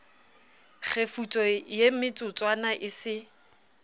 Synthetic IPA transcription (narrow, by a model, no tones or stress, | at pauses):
k͡xʰefut͡sʼɔjemɪt͡sʼʊt͡sʼwanaʔɪsɪ